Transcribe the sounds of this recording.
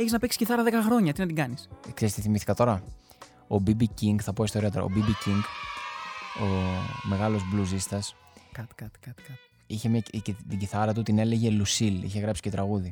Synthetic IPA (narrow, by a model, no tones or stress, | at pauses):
eçiznɐpiksi̥sɟiθɐɾɐðe̞kɐxɾo̞ɲɐt̪inɐt̪iŋɡɐnisekseɾist̪iθimiθi̥kɐt̪o̞ɾɐ | obibiciŋɡθɐpo̞ist̪o̞ɾiɐt̪oɾɐ̰o̰bibiciŋɡ | o̞me̞ɣɐlo̞zbluzist̪ɐs | kt̪t̪i̥ɐt̪ | içe̞mɲɐt̪iɟiθɐɾɐt̪ut̪ine̞le̞ʝe̞lusilḭçe̞ɣɾɐpsi̥ce̞t̪ɾɐɣuði